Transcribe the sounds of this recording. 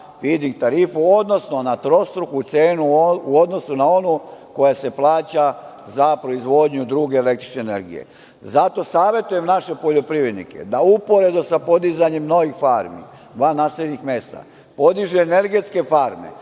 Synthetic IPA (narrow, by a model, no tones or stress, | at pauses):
fid̪iŋɡ̚t̪aɾiːfuod̪no̞snonat̪ɾo̞st̪ɾuxut̪seːnuuo̞d̪no̞sunao̞nuko̞jase̞plˠaːt͡ɕa | zapɾo̞izʋo̞d̪ɲud̪ɾuːɡe̞ːlek̚t̪ɾi̥t͡ʃneːneɾɡḭjḛ | zat̪o̞saːʋje̞t̪uje̞mnaʃe̞po̞ʎo̞pɾiʋɾe̞d̪nḭkḛd̪aupo̞ɾe̞d̪usapo̞d̪izaɲe̞mno̞ʋixfaːɾmḭ | d̪ʋaːnaːseʎɲixme̞st̪a̰ | po̞d̪iʒeːne̞ɾɡe̞t̪ske̞faɾme̞̰